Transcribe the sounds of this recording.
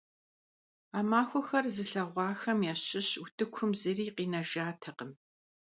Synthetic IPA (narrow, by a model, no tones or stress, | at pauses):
aːmaːxʷɔxɐrzɨɬɐʁʷɑːxɐmjɛːɕɪɕutʰɨkʷʰʊmzɨriːqiːnɐʒaːtʰɐqəm